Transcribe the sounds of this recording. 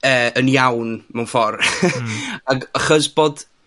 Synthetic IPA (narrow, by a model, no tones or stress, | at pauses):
əːənjawnmɛwnfɔr | aɡaχəsb̥oːd̥